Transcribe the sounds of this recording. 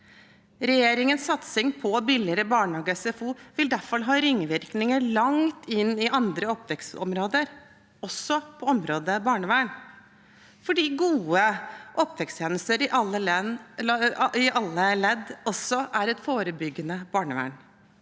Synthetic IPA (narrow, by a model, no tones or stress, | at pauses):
ɾɛjeːɾɪŋənssɑt̪sɪŋpʰɔbɪlɪəɾəbɑːɳhɑːɡəsɛfuːʋɪld̪æfɑlɦɑːɾɪŋːʋɪɾknɪŋəɭɑŋt̪ʰɪnːɪʔɑnd̪ɾəɔpːʋɛksɔ̰mɾoːd̪əɾ | ɔsːɔpʰɔɔmɾoːd̪əbɑːɳəʋæːɳ | fɔɖiːɡuːəʔɔpʋɛkst̪ʰjɛːnəst̪əɾɪʔɑlːə | ɪʔɑlːəlɛd̪ːɔsːɔʔæɾɛt̪foːɾəbʏɡːənəb̥ɑːɳəʋæ̰ːɳ